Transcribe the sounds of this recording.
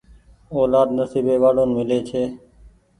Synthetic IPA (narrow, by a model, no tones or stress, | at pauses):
oːlaːd̪nəsiːbeːʋaːɽoːnmɪleːt͡ʃʰeː